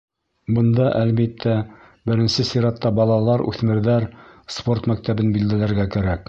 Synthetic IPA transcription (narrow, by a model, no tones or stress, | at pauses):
bɤ̆nd̪ɑʔælβit̪ːæ | bɘ̆ɾɘ̆nsɘsiɾɑt̪ːɑbɑlˠɑlˠɑɾʉ̰θmɘ̆ɾðæɾspo̞rt̪mæk̚t̪æbɘnbild̪ælæɾɡækæɾæk